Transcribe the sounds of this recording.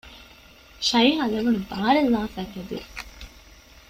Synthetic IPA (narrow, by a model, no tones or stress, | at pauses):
ʃɐjɦɐlɐʋunubaːɾelːaːfækɐd̪ṵ